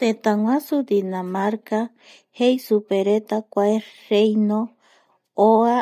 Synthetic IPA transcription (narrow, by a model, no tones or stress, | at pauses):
t̪et̪aŋʷãsud̪inamaɾka | hejsupeɾet̪akʷaeɾejno | oa